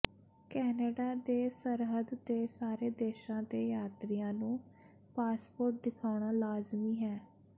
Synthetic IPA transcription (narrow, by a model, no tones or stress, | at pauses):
kɛːnəɖaːd̪eːsəɾɦəd̪t̪eːsaːɾeːd̪eːʃãːd̪eːjaːt̪ɾijãːnũː | paːspoːɾʈ̚d̪ɪkʰaːʊɳ̃aːlaːzmiːɦɛː